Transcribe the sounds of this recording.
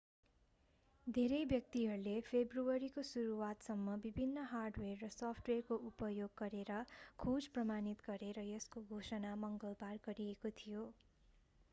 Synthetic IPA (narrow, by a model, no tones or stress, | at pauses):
d̪ʱeɾʌjbjʌk̚t̪iɦʌrulepʰebruʌɾikosuɾuwat̪sʌmːʌbibʱinːʌɦarɖwerːʌsʌpʰʈwerkoʔupʌjoɡːʌɾeɾʌkʰud͡zprʌmanit̪ɡʌɾeɾʌjʌskoɡʱosʌnamʌŋɡʌlbarɡʌɾijekot̪ʰijo